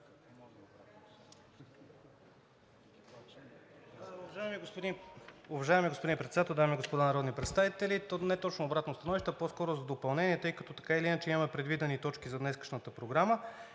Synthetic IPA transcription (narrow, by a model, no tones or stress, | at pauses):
ɐʒajmiɡpd̪ʊvɐʒaɛmiɡospod̪ĩnpɾɛt̪sɛd̪at̪ɛlˠd̪amiɡospod̪anɐɾɔd̪nipɾɛt̪st̪avit̪ɛlit̪onɛt̪ɔt͡ʃnoːbɾat̪nost̪ɐnɔviʃt̪ɛposkɔɾozɐd̪opɐlˠnɛniɛt̪ɤjkəɐt̪ɔt̪ɐ̥kailiinat͡ʃɛimɐmɛpɾɛd̪vid̪ɛnit̪ɔt͡ʃkizɐd̪nɛskə̥ʃnət̪əpɾoɡɾamə